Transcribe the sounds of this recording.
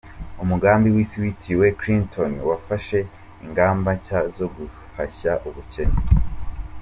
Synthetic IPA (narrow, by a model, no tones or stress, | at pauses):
umuɡaːmbiwiːsiwitiwe̞kɾintʰonwafaʃe̞ | iŋɡaːmbacazo̞ɡu | façaʔuβuce̞ne